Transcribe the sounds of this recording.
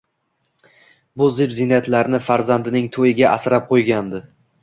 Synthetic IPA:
bʊzɪpzɪnat̪laɾnɪfaɾzand̪ɪnɪŋt̪ʰojɪɡʲaʔasɪɾap̚qʰojɡʲand̪ɪ

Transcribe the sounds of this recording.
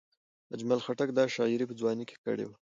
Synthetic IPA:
ad͡ʒmalxaʈak̚d̪ɑʃɑɪɾipəd͡zwɑnike̥kə̰ɽḛwa

